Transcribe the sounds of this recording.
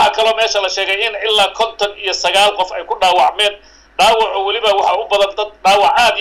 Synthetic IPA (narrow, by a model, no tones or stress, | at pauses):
ɑkʰɐlɔːmɛːʃɐlɐʃɛːɣɛjɪnɪlːaːkʰɔnt̪ʰɔnijɔsɐɣaːlqɔfɛjkʰʊɖaːwɑʕmɛːn | ɖaːwɑʕɔwɑlɪβɐwɑħɑʊbɐðɐnd̪ɐd̪̚ɖaːwɑʕaːd̪